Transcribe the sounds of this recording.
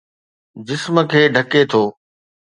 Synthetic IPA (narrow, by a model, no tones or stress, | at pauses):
d͡ʑɪsmə̆kʰeːɖʱɐket̪ʰoː